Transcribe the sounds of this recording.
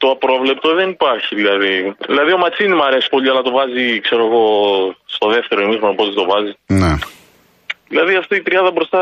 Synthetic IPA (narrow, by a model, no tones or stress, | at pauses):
t̪o̞ɐpɾo̞vle̞p̚t̪o̞ðe̞nipɐɾçiðilɐðiðilɐðio̞mɐt͡sinimɐɾe̞si̥po̞ʎiɐlɐt̪o̞vɐzikse̞ɾo̞eɣo̞st̪o̞ðeft̪e̞ɾo̞imixɾonopot̪it̪o̞vɐzine | ðilɐðiɐft̪iːt̪ɾiɐd̪ɐbɾost̪ɐ